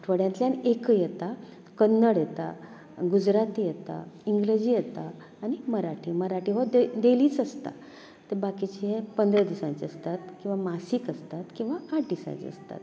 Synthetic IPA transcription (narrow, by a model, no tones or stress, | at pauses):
ʈʰʋəɽjãnt̪ljanekəjet̪a | kənːəɽjet̪a̰ | ɡud͡ʑɾat̪ijet̪a̰iŋɡled͡ʑijet̪aː | ñiməɾaʈʰiːməɾaʈiʋəd̪eliːt͡səst̪a̰ | t̪ebakit͡ɕiɦepənd̪ɾəd̪isãɲt͡siəst̪at̪kĩw̃ʋamasiːkəst̪at̪kĩw̃ʋaaʈ̚ɖisã̰t͡ɕḭə̰st̪a̰t̪